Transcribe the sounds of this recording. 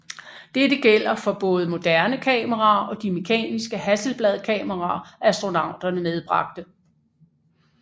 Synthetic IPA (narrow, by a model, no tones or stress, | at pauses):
d̥edəɡ̥el̰ɐfɒ̽b̥ɔ̽ːð̞̩ˠəmo̝d̥æɐnəkʰɛ̰ːməʁɑ̈ːɒ̽d̥ime̝kʰɛ̰ːnisɡ̥əhæsl̩b̥lɛð̞ˠkʰɛːməʁɑːæsd̥ʁo̝nɑ̈ʊ̰d̥ɐnəmeð̞ˠb̥ʁɑ̈ɡ̥̚d̥ə